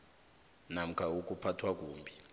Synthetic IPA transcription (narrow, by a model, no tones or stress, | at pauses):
nam̩kʰauk̬ʼupʰatʰwak̬ʼuːmbʱi